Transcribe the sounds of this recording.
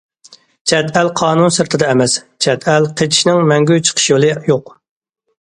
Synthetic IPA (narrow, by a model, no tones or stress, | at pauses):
t͡ʃʰɛd̪ælqʰɑːnunsɨɾt̪ʰɨd̪ɑɛmɛs | t͡ʃʰɛd̪ɛlqʰet͡ʃʰi̥ʃnɪŋmɛŋɡʲyt͡ʃʰə̥qʰə̥ʃjolˠɨjoq